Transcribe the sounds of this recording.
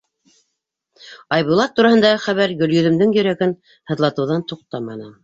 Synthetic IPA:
ɑjβulˠɑt̪ːuɾɑhɤ̆nd̪ɑʁɤχæβæɾɡɵ̆ljɵ̆ðɵ̆md̪ɘŋjɵ̆ɾæɡɘn | hɤ̆ðlˠɑt̪ɤ̆wðɑnt̪uq̚t̪ɑmɑnɤ

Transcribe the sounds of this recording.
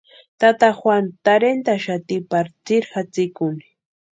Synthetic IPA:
t̪at̪axwant̪aɾent̪aʃat̪ɪpaɾt͡sɪɾxat͡sɪkʊnɪ

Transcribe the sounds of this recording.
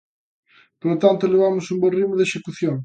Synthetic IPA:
polot̪ant̪oleβamʊsumborimʊðeʃekuθjoŋ

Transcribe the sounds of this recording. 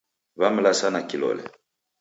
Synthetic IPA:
βamlasanakilɔ̰lɛ̰

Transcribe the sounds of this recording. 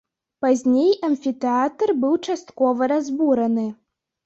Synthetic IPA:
pazʲnʲejɐnʲfʲit̪ɛat̪ɐrbɨwt͡ʂast̪kɔvɐɾazbuɾɐnɨ

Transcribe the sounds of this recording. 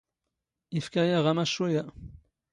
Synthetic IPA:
ifkajaʁamaʃoja

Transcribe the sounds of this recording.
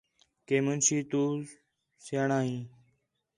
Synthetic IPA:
keːmənsiːt̪uː | seɳaːɦĩː

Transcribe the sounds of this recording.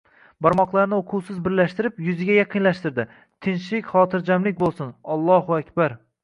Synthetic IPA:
bɒɾmɒqlˠaɾnɪoqʰʊwsɪzbɪɾlaʃt̪ɪɾɪpjʊzɪɡʲajɑqʰɨnlaʃt̪ɪɾd̪ɪ | t̪ʰɪnʃɪkʲχɒːt̪ʰɪɾd͡ʒamlɪk̚ʲbolˠsɪnɒlˠːɒhʊakʲbaɾ

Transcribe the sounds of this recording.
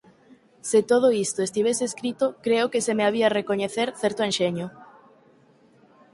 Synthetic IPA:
set̪oð̞oist̪oest̪iβ̞eseskɾit̪okɾeokesemeaβ̞iarekoɲeθeɾθɛɾt̪oenʃeɲo

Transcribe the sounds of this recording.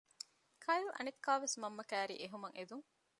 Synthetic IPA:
kʰɐjlʔɐ̰nekːaːʋesmɐmːɐkæːɾḭːʔeɦumɐŋʔed̪uŋ

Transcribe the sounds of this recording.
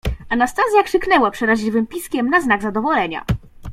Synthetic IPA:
anast̪azʲjakʂɘknɛwapʂɛɾaʑʲivɘmpʲiskʲɛmnaznaɡzad̪ɔvɔlɛɲa̰

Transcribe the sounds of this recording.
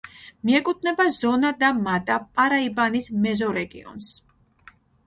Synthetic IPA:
miɛkʼut̪ʰnɛbazɔnad̪amat̪ʼapʼaɾaibanismɛzɔɾɛɡḭɔ̰ns

